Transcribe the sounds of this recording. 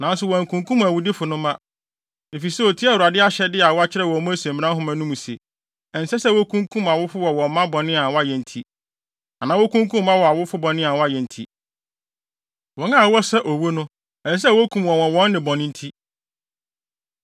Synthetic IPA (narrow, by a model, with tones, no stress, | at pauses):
nã˨˦n˦sʊ˨wɔ̃˨ŋ˨kʰũ˨ŋkũ˦m˨æ˨wʊ˨dɪ˦fʊ˨nʊ̃˦mã˦ | ne˨fi˨sɛ˦o˨tʰi˦a˦˨wu˨a˨dɪ˦a˦ɕɛ˦dɪ˦a˨wɔ˦a˦t͡ɕʰɪ˦ɾɛ˦˨wɔ˨˦mɔ̃˦æ˦sẽ˨mĩ˨nã˦ɦʊ̃˦mã˦nũ˦mũ˨sḛ˨ | ɛ˨n̩˨sɛ˦sɛ˦˨wo˦kʰũ˦ŋkʰũ˦ma˨wʊ˦fʊ˦wɔ˨wɔ̃˨m˦mã˦bɔ̃˨nɪ̃˦a˨wɔ˦a˦jɛ˨n̩˨tʰi˦ | a˨nã˨˦wɔ˦kʰũ˦ŋkʰũ˦mː˦ã˦wɔ˨a˨wʊ˦fʊ˦bɔ̃˨nɪ̃˦a˨wɔ˦a˦jɛ˨n̩˨tʰi˦ | wɔ˨nã˦˨wɔ˦sɛ˦ʔo˨wo˦nʊ̃˦ | ɛ˨ss̬ɛ˦˨wo˦kʰũ˦mwɔ̃˨wɔ̃˨wɔ̃˦nːɪ̃˨bɔ̃˨nɪ̃˦n̩˦tʰi˦